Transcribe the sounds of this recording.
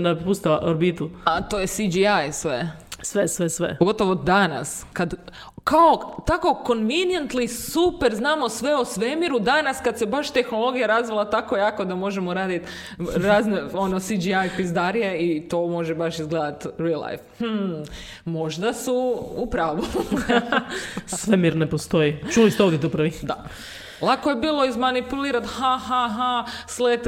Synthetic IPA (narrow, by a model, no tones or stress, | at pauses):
napust̪ilaʔoɾbit̪uat̪oːjesid͡ʒiajsʋesʋesʋesʋḛpoɡo̞t̪oʋod̪ːana̰skad̪ | kaot̪ako̞ko̞nʋinjent̪lisupeɾznaːmo̞sʋe̞osʋemiɾud̪anaskad̪sebaʃt̪exnolˠo̞ɡijaɾazʋelˠat̪akojaːko̞d̪amo̞ʒemoɾaːd̪it̪ | ɾaːzneo̞nosid͡ʒiajpizd̪aɾijeit̪o̞mo̞ʒebaʃizɡled̪at̪ɾilˠa̰jfh̩ | mo̞ʒd̪asuupɾaːʋo | ssʋemiɾnepost̪o̞jit͡ʃulist̪eoʋd̪jet̪upɾʋid̪a | lˠakojebiːlˠo̞izmanipuliːɾat̪hahaɦaslet̪